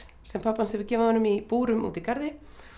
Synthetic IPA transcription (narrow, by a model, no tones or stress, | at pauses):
sɛmpʰapːanshɛvʏɾcɛːvaðhɔnʏmipuːɾʏmṵːt̪ikaɾðɪ